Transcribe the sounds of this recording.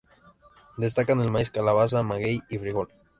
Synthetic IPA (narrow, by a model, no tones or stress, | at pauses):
d̪e̞s̬t̪akanelmaiskalaβas̬amaɣejifɾiɣol